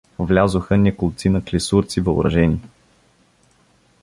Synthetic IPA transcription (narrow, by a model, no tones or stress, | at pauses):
vlʲazʊxənʲɛkʊlˠt̪sinɐklʲɛsuɾt̪sivəʊ̰bɾɐ̰ʒɛnʲi